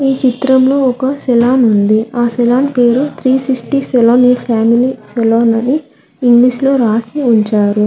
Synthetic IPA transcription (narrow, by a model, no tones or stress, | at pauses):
iːt͡ʃit̪ɾɐmlo̞ːɔkɐsɛlaːnund̪iaːsɛlaːnpe̞ːɾut̪ʰɾiːsiksʈisɛloːniːpʰaːmiliːsɛloːnɐni | iŋɡliʂlo̞ːɾaːsiuɲt͡ʃaːɾu